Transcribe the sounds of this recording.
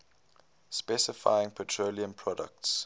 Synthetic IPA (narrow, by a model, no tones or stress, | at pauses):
spɛsɪfa̰ɪɪ̃ŋpʰɔtʰɹoliə̃mpʰɹɔdə̰kts